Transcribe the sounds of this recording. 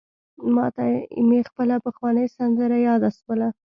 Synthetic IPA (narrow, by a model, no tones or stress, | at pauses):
mɑt̪aɪ̰mexpəlapəxwɑnəjsand̪əɾajɑd̪aswəla